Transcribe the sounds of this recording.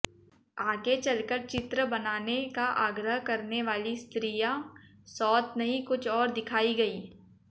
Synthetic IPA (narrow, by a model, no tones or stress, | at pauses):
aːɡet͡ʃɐlkəɾt͡ʃɪt̪ɾəbɐnaːnekaʔaːɡɾəɦkɐɾneʋaːlist̪ɾiːja | sɔːt̪nɐɦikʊt͡ʃʰɔːɾd̪ɪkʰaːiɡɐiː